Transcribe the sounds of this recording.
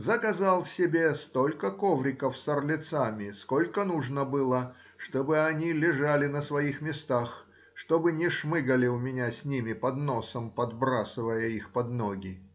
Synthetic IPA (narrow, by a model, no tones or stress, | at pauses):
zəkɐzalˠsʲɪbʲest̪o̞lʲkəkovɾʲɪkəfsərlʲɪt̪samʲɪsko̞lʲkənuʐnəbɨlˠə | ʂt̪obɨɐnʲilʲɪʐalʲɪnəsvɐixmʲɪst̪ax | ʂt̪obɨnʲɪʂmɨɡəlʲɪʊmʲɪnʲasʲnʲimʲɪpɐd̪no̞səmpɐd̪bɾasɨvəjəixpɐd̪noɡʲɪ